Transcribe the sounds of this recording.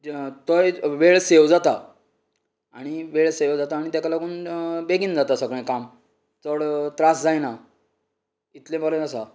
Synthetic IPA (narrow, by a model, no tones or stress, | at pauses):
t̪əjʋeɭsewd͡zat̪a | aɽ̃iʋeɭseʋd͡zat̪aːɽ̃it̪akalaɡuːnbeɡiːnd͡zat̪asəɡɭ̃ẽkam | t͡səɽt̪ɾasd͡zajna | it̪lẽbɔlẽasa